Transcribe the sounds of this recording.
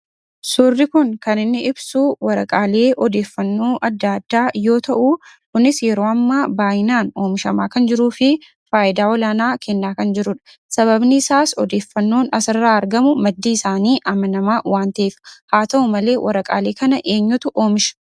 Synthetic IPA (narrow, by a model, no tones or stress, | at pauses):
sʊrːɪkʊŋkɐnɪnːɪɪbsuwɐɾɐkʼaːle̞ːʔɔd̪e̞ːfːɐnːoːʔɐd̪ːad̪ːaːjo̞ːt̪ɐʔuːkʊnɪsjɛɾo̞ːɐmːaːbaːjɪnaːno̞ːmɪʃɐmaːkɐnd͡ʒɪɾuːfɪ | faːʔɪd̪aːɔlaːnaːkʰɛnːaːkɐnd͡ʒɪɾʊᶑɐ̥ | sɐβɐbniːɪsaːsɔ̰d̪e̞ːfːɐnːo̞ːnɐsɐrːaːɐɾɡɐmʊmɐd̪ːiːɪsaːniːʔɐmɐnɐmaːwaːnt̪ɐeːfɐ̥haːt̪ɐʊmɐle̞ːwʔɐɾɐkʼa̰ːle̞ːkɐnɐʔe̞ːɲːʊt̪ʊʔo̞ːmɪʃɐ̥